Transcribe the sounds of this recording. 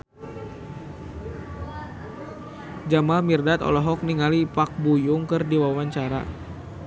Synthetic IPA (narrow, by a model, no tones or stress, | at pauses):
d͡ʒamalmirdat̪ɔ̰lɔɦɔk̚niŋalipak̚bujʊŋkɨrdiwawaɲt͡ʃaɾa̰